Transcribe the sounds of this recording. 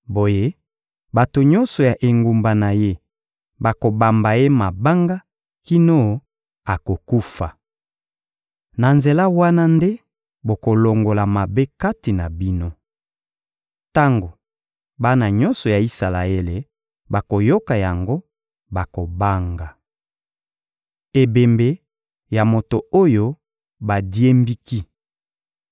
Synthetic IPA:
bo˨je˦ | ba˨to˨ɲɔ˦nsɔ˨ja˨ʔe˨ŋɡu˨mba˨na˨je˦ | ba˨ko˨ba˨mba˨je˦ma˨ba˦ŋɡa˦ | ki˦no˦˨ | a˨ko˨ku˦fa̰˨ | na˨nze˨la˦wa˦na˦nde˦ | bo˨ko˨lo˨ŋɡo˨la˨ma˨be˦ka˦ti˨na˨bi˦no˦ | ta˦ŋɡo˨ | ba˦na˨ɲɔ˦nsɔ˨ja˨i˦sa˨la˨e˦le˨ | ba˨ko˨jo˦ka˨ja˨ŋɡo˦ | ba˨ko˨ba˦ŋɡa˨ | e˨be˨mbe˨ | ja˨mo˨to˨o˦jo˦ | ba˨di˦e˦mbi˦ki˦

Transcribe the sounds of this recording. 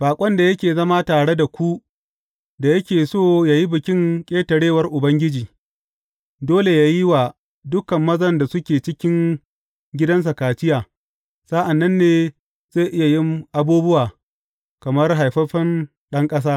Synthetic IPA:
ɸaː˨kʷʼɔ˦nda˨jɐ˦kʲeː˨zɐ˦maː˦taː˨ɽe˦da˨kʷu˦ | da˨jɐ˦kʲeː˨soː˦˨jaː˨ji˦bɪ˨kʲɪ˦ŋkʲʼeː˦tɐ˨ɽeː˦˨wɐ˦rʔʊ˨bɐ˦ŋɡʲɪ˦d͡ʒiː˨ | doː˦le˨jaː˦ji˦waː˨ | dʊ˦kɐ˨mːɐ˦zɐ˨nda˨sʊ˦kʲeː˨t͡ʃɪ˦kʲɪ˦ŋ | ɡʲɪ˦dɐ˦ns̬ɐ˨kaː˨t͡ʃɪ˦jaː˨ | sa˦ʔa˨nːɐ˦nːeː˨ | z̥eː˦˨ʔɪ˦ja˨jɪ˦mʔa˨buː˦bʊ˦waː˨ | kɐ˨mɐ˦rɦa˨jɸɐ˦ɸɐ˦n | ɗɐ˦ŋkʼɐ˦s̬aː˦

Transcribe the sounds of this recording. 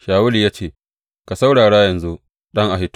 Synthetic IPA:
ʃaː˨wʊ˦li˨jaː˦t͡ʃeː˦˨ | ka˨sa˦wɽaː˨ɽa˦jɐ˨nzu˦ | ɗɐ˦ŋʔa˨ɦɪ˦t

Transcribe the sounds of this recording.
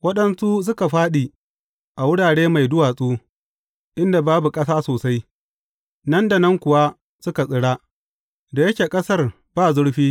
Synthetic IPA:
wɐ˦ɗɐ˦nsu˦s̬ʊ˦ka˨ɸaː˦ɗiː˨ | ʔa˨wʊ˦ɽaː˨ɽeː˦ma˨jdʊ˦waː˨sʼuː˦ | ʔɪ˦nda˨baː˦bu˨kʼɐ˦saː˦soː˨sa˦j | nɐ˦nda˨nɐ˦ŋkʷʊ˨wa˦ | sʊ˦ka˨sʼɪ˦ɽaː˦ | da˨jɐ˦kʲeː˨kʼɐ˦sɐ˦r | b̥aː˦zʊ˦ɽɸiː˦

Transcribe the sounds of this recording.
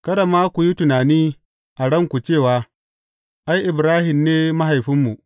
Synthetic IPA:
kɐ˦ɽa˨maː˦kʷu˨ji˦tʊ˨naː˨niː˦ | ʔa˨ɽɐ˦˨ŋkʷu˨t͡ʃeː˦˨waː˨˦ | ʔa˦jʔɪ˨bɾaː˦hɪ˨mneː˦mɐ˦ɦa˨jɸɪ˦mːu˨ʔ

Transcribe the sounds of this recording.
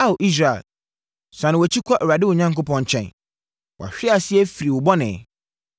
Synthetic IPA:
a˦wʔi˦s̬ɾa˨ḛ˨l | sã˨nɪ̃˨ɔ˨t͡ɕʰi˦kʰʷa˦ʔɾa˨dɪ˦wʊ˨ɲã˦ŋkʊ˦pʰɔ̃˦n˨t͡ɕʰɛ̰̃˦˨n | wʔɔ̰˨a̰˨ɕᶣɪ˦a˨sɪ˦ɛ˦fi˨ɾi˨wʊ˨bɔ˦nɪ̃˨

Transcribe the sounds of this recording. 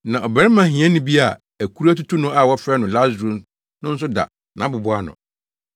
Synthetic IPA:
nã˨ʔɔ˨bɛ˨˦ɾɪ˦mã˨hĩ˨ɛ̃˦nʊ̃˦bi˦a˨ | æ˨kʰu˦ɾa˦tu˦tʰu˦nʊ̃˦a˨wɔ˦fɾɛ˦nʊ̃˨la˦zɾũ˦m | nʊ̃˦n̩˦s̬ʊ˦da̰˨ | nã˨˦bʊ˨bʊ˦a˦nʊ̰̃˨

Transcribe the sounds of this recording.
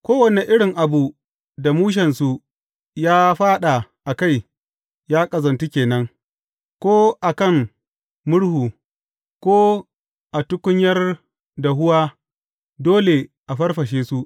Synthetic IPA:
kʷoː˦wɐ˨ne˨ʔɪ˦ɽɪ˨ŋʔa˨bu˨ | da˨muː˦ʃ̬ɐ˨nsu˨ | jaː˦ɸaː˦ɗa˨ʔa˨ka˦˨j | jaː˦kʼɐ˨zɐ˨ntu˦kʲeː˨nɐ˦ŋ | kʷoː˦ʔa˨kɐ˦˨ŋ | mʊ˦ɽhuː˨ | kʷoː˦ | ʔa˨tʊ˦kʷʊ˦ɲjɐ˦r | da˨ɦʊ˦waː˦ | doː˦le˨ʔa˨ɸɐ˦rɸɐ˨ʃeː˦su˦ʔ

